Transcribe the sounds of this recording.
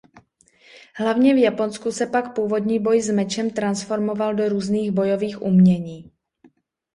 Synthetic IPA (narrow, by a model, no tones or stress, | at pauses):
ɦlavɲɛvjapo̞nskusɛpakpuːvo̞dɲiːbo̞jzmɛt͡ʃɛmt̪ɾansfo̞ɾmo̞valdo̞ɾuːzniːɣbo̞jo̞viːxʔumɲɛɲiː